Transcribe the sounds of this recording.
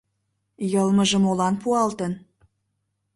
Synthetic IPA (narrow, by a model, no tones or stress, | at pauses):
jɤlməʒə̆molɑnpuɑlt̪ən